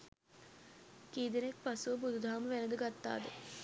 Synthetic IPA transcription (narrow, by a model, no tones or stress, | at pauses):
kiːd̪enek̚pasuʋəbud̪ud̪ʱaːməʋænəd̪əɡat̪ːa̰ːd̪ə